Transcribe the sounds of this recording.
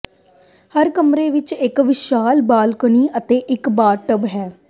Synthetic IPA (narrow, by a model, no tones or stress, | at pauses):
həɾkəmɾeːʋɪt͡ʃɪkʋɪʃaːlbaːlkəɳ̃iːʔət̪eːʔɪkbaːɾʈəbɦɛː